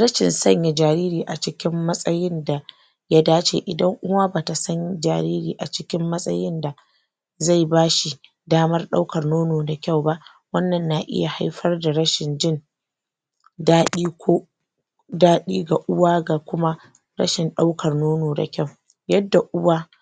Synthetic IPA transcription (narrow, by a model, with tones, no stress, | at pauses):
ɾɐ˦ʃɪ˨nsɐ˦˨ɲja˨d͡ʒaː˨ɾiː˦ɾiː˨ʔa˨t͡ʃɪ˦kʲɪ˦mːɐ˦sʼɐ˦jɪ˦nda˨ | ja˦daː˦t͡ʃḛ˨ʔɪ˨dɐ˦ŋʔʊ˦waː˦baː˨ta˨sɐ˦nd͡ʒa̰ː˨ɾiː˦ɾiː˨ʔa˨t͡ʃɪ˦kʲɪ˦mːɐ˦sʼɐ̰˦jɪ˦nda˨ | za˦˨jbaː˦ʃi˨ | daː˦mɐ˦rɗa˦wkɐ˨rnoː˦noː˨da˨kʲa˦˨wba˦ʔ | wɐ˦nːɐ˨nːa˨ʔɪ̰˦ja˨ha˦jɸɐ˦rda˨ɽɐ˦ʃɪ˨nd͡ʒɪ˦n | daː˦ɗiː˦kʷʰoː˦ | daː˦ɗiː˦ɡa˨ʔʊ˦waː˦ɡa˨kʷʊ˦ma˦ | ɾɐ̰˦ʃɪ˨nɗa˦wkʰɐ˨rnoː˦noː˨da̰˨kʲa˦˨w | jɐ˦dːa˨ʔʊ˦waː˦